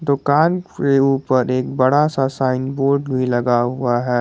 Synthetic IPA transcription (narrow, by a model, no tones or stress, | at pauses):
d̪ʊkaːnkeuːpəɾeːkbɐɽasasaːɪnboːɾɖbʱilɐɡaɦʊaɦɛː